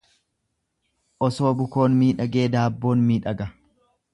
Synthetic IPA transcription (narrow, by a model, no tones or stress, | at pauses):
ʔɔso̞ːbʊko̞ːnmiːᶑɐɡe̞ːd̪aːbːo̞ːnmiːᶑɐɡɐ